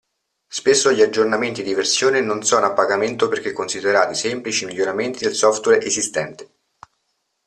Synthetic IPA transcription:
spesːoʎiad͡ʒːornament̪id̪iversjoːnenonsɔːnoapːaɡament̪operk̟ekːonsid̪eɾaːt̪isemplit͡ʃimiʎːoɾament̪id̪elsɔft̪wɛɾʔezist̪ɛnt̪e̥

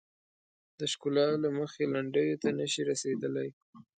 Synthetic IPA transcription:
d̪əʃkulɑlaməxelaɳɖəjot̪anəʃiɾased̪əlaj

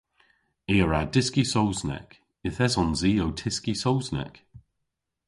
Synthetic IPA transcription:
eːəɹadɪskisowznɛ̰k | ɪθɛzɔnziːowtʰɪskisowznɛ̰k

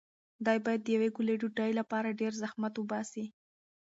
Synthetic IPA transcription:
d̪ɑjbɑjad̪̚ːəjaweɡuleɖuɖajlapɑɾaɖeɾzahmat̪wʊbɑsi

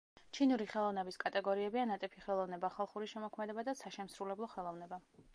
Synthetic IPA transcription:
t͡ʃʰinuɾiχɛlˠɔvnɛbiskʼat̪ʼɛɡɔɾiɛbianat̪ʼɛpʰiχɛlˠɔvnɛbaχalˠχuɾiʃɛmɔkʰmɛd̪ɛbad̪asaʃɛmsɾulɛblˠɔχɛlˠɔvnɛba

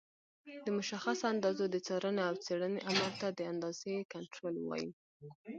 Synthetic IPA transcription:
d̪̥əmʊʃaxasand̪ɑzod̪ət͡sɑɾəneawt͡seɽəneʔamaɾt̪ad̪əand̪ɑz̥ekaɳʈɾolwɑ̰jḭ

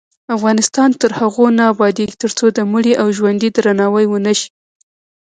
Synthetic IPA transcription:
afɣɑnɪst̪ɑnt̪əɾhaɣonɑːbɑd̪eɡit̪əɾt͡sod̪əmuɽiʔawʒwand̪id̪ɾanɑwəjwənəʃi̥

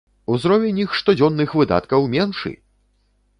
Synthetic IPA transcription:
uzɾɔvʲɛnʲixʂt̪ɔd͡zʲɔnːɨxvɨd̪a̰t̪kɐwmʲɛnʂɨ̰

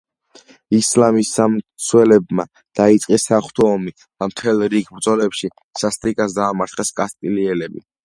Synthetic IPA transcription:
islamisamt̪sʰwɛlɛbma̰ | d̪̥ait̪sʼqʼisːaχwt̪ʰɔːmi | d̪̥amt̪ʰɛlˠɾiɡbɾd̪zɔlɛpʃi | sast̪ʼɾikʼasd̪aːmaɾt̪χɛskʼast̪ʼiliɛlɛbi

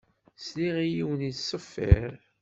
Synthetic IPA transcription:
sliʁijiwənisˤəfːḭɾ

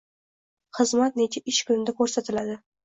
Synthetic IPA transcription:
χɨzmat̪̚net͡ʃʰaʔɪʃkʊnɪd̪akʰɵɾsat̪ʰɪlad̪ɪ

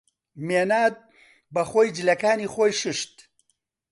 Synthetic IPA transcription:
meːnaːd̪̚ | bɐxoːjd͡ʒɨlɐkaːniːxoːjʃɨʃt̪

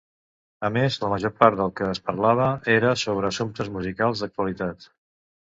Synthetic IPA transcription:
əmezləməʒoɾpaɾt̪̚d̪əlˠkəːspəɾlaβ̞əeɾəsoβ̞ɾəːsumt̪əzmuzikalˠzd̪ək̚t̪uəlit̪at̪

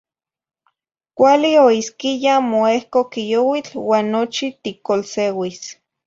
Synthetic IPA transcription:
kʷalioiskijamoehkokijowit͡ɬwaːnːot͡ʃit̪ikolsewis

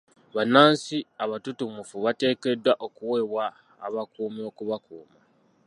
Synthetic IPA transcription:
βanaːnsiaβatutumufuβate̞ːke̞dːwaʔo̞kuwe̞βwa̰ː | βakuːmio̞kuβakṵːma

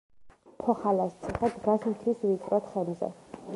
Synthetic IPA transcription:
pʰɔχalast̪sʰɛχad̪ɡasmt̪ʰwisvit̪ʼɾɔt̪χɛnmzɛ̰

